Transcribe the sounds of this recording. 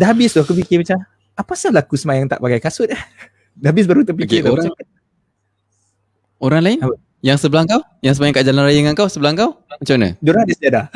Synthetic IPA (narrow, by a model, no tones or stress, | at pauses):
dabɪst̪akupikibit͡ʃa | apasahlakusəmajaŋt̪a̰ʔbaɡajkasʊt̪̚ah | dabɪs̬baɾut̪əpikeoɾaət̪̚ | oɾaŋlain | jaŋsəbəlaŋkaw | jaŋs̬əmajaŋkaʔd͡ʒalanrajəŋankawsəbəlaŋkawamət͡ʃawnə̰doɾadisd̪iada